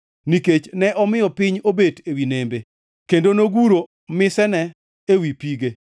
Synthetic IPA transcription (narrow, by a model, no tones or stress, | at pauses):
niket͡ʃnɛʔɔmɪɔpɪɲobedewinembe | kendonoɡuɾo | mɪsɛnɛ | ewipiɡe